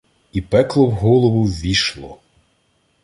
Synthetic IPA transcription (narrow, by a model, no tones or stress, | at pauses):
ipɛklˠɔwɦɔlˠɔʋʊʋʲiʃlˠɔ̰